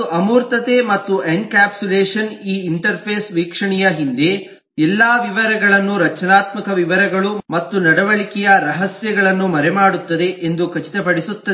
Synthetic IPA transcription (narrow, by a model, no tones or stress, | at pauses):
ʔɐmuːɾt̪ɐt̪e̞mɐt̪ːuʔenkaːpsuleːʂɐniːiɳʈɐɾpʰeːsʋiːkʂɐɳɛjɐɦind̪e̞ | ɛlːaːʋiʋɐɾɛɡɐɭɐnːuɾɐt͡ʃɐnaːt̪mɐkɐʋiʋɐɾɐɡɐɭumɐt̪ːunɐɽɐʋɐɭikɛjɐɾɐɦɐsjɐɡɐɭɐnːumɐɾɛmaːɽut̪ːɐd̪e̞ʔend̪ukɐt͡ʃi̥t̪ɐpɐɽisut̪ːɐ